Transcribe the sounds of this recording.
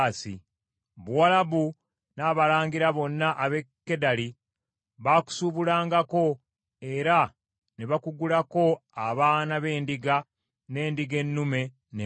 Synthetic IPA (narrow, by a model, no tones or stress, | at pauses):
sḭ | βuwalaβu | naːβalaːŋɡiɾaβo̞nːaʔaβe̞kːe̞dali | βaːku̥suβulaːŋɡako̞ | e̞ɾa | neβakuɡulako̞aβaːnaβe̞ːndiɡa | ne̞ːndiɡe̞nːume̞ | n